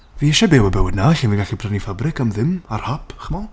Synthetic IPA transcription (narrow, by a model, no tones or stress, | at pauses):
viːɛʃɛbewabɛwɪdnaɬiːnviɡaɬipʰrɛnifabrɪkamðɪmarhapʰχmɔ